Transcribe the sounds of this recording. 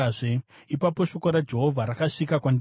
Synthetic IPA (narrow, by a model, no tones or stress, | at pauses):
ʐeipapo̞ʃo̞koɾad͡ʒe̞ɦo̞vʱaɾakaʂikakwand